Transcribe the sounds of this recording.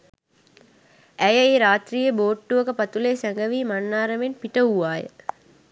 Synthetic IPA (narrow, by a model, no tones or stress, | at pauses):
æjəeːɾaːt̪riːjəboːʈːuʋəkəpat̪uleːsæŋɡəʋiːmanːaːɾəmenpiʈəuʋaːjə̰